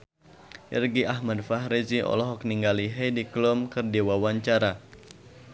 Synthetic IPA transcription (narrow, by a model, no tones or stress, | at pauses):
ʔḭrɡiʔaɦmadfaɦɾeziʔɔ̰lɔɦɔk̚niŋɡaliɦediklɔmkɨrdewawaɲt͡ʃaɾa